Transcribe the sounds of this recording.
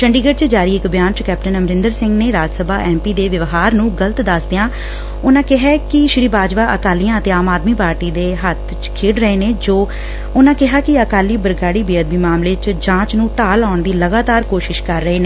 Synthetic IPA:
t͡ʃəɳɖiːɡəɖt͡ʃəd͡ʒaːɾiːɪkbɪjaːnt͡ʃkɛːp̚ʈənəmɾɪ̃nd̪əɾsɪ̃ŋɡneːɾaːd͡ʒsəbʱaːʔɛ̃ːmpiːd̪eːʋɪʋɦaːɾnũːɡələt̪d̪asd̪ɪjãː | ʊnãːkɪɦɛːkɪʃɪɾiːbaːd͡ʒʋaːʔəkaːlijãːət̪eːaːmaːd̪miːpaːɾʈiːd̪eːɦət̪ʰt͡ʃkʰeːɽɾəeːneːd͡ʒoː | ʊnãːkɪɦaːkɪəkaːliːbəɾɡaːɽiːbiːəd̪miːmaːmleːt͡ʃd͡ʒãːt͡ʃnũːʈaːlaːɳd̪iːləɡaːt̪aːɾkoːʃɪʃkəɾːəeːneː

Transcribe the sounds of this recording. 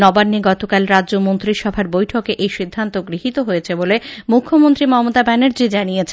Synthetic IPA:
nɔbanːeɡɔt̪okalɾadːd͡ʑomont̪ɾiʃɔbʱaɾbojʈʰokeʔejʃid̪ʱːant̪oɡɾiɦit̪oɦojet͡ɕʰebolemukʰːomont̪ɾimɔɦmot̪abɛneɾd͡ʑid͡ʑanijet͡ɕʰ

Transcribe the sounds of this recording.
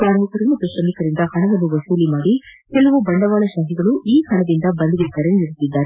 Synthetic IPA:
kaːnɐʋukɐɾumɐt̪ːusɐmikɐɾind̪ɐhɐɳɐʋɐnːuʋɐsuːlimaːɽikɛlɐʋubɐɳɖɐʋaːɭɐʃaːɦiɡɐɭuʔiːhɐɳɐd̪ind̪ɐbɐnd̪iɡit̪ːaːɾenniɾut̪ːid̪ːaːɾe

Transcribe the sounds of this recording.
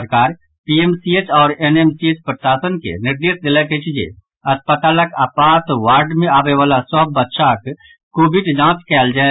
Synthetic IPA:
əɾkaːɾ | piemsiet͡ʃɔːɾenemsiet͡ʃpɾəʃaːsənkḛnɪɾd̪eːsd̪ɪlaket͡ʃʰd͡ʒḛ | ɐt̪̚pət̪aːləkapaːt̪ʋaːɾɖmẽaːbeʋaːlasəbːət̪ːʃak | koːbiʈd͡ʒãːt͡ʃkɛːld͡ʒae

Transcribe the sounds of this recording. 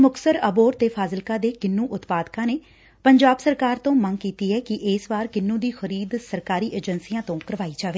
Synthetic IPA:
mʊksəɾəboːɾt̪eːpʰaːzəlkaːd̪eːkɪnːũːʔʊt̪paːd̪kãːneː | pəɲd͡ʒaːbsəɾkaːɾt̪õːməŋkiːt̪iːɦɛːkɪʔɪsʋaːɾkɪnːũːd̪iːxʰəɾiːd̪səɾkaːɾiːʔəd͡ʒənsijãːt̪õːkəɾʋaːiːd͡ʒaːʋeː

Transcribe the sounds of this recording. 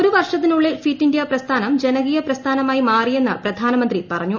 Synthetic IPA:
oɾuʋɐrʂɐt̪ːinuɭːefitːinɖjaprɐst̪ʰaːnɐmd͡ʑe̞nɐɣiːjɐprɐst̪ʰaːnɐmaːjimaːrije̞nːɨ̰prɐd̪ʱaːnɐmɐnd̪ripɐrɐɲːu

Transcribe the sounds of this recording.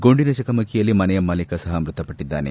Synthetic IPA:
ɡoɳɖinɐt͡ʃɐkɐmukʰːijɐlimɐnɐjɐmːɐlikɐsɐɦɐmɾut̪ɐpɐʈːid̪ːa̰ːnḭ

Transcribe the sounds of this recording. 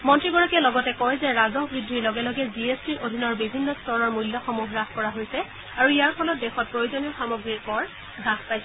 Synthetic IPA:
mɔntɹiɡɔɹɔkiɛlɔɡɔtɛkɔjzɛɹazɔxbɹidʱiɹlɔɡɛlɔɡɛziespiɹʔodʱinɔɹbibʱinːɔstɔɹɔɹmujljɔxomuɦɹaxkɔɹaɦojsɛ | aɹuijaɹpʰɔlɔt̚dɛxɔt̚pɹojuzoniɔxamɔɡɹiɹkɔɹ | dʱaxpajsɛ

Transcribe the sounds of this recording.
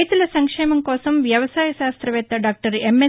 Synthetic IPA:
jt̪ulɐsɐŋkʂɛːmɐmkɔːsɐmʋjɐʋɐsaːjɐʃaːst̪ɾɐʋɛːt̪ːɐɖaːk̚ʈɐɾemːe

